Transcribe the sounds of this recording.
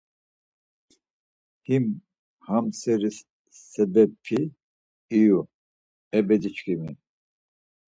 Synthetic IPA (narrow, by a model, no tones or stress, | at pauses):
him | hamsɛɾisː | ɛbɛpʰiː | ju | ɛbɛd̪it͡ʃkʼimi